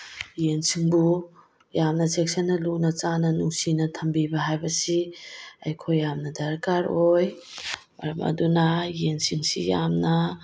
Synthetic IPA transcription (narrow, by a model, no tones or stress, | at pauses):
jensiŋbu | jamnɐt͡ʃek̚sɐnːɐlunɐt͡ʃanɐnuŋsinɐtʰɐmbibɐɦajbɐsiɐjkʰojːamnɐdɐɾkaɾoj | mɐ̰ɾɐmʔɐ̰dunɐjensiŋsḭjamnɐ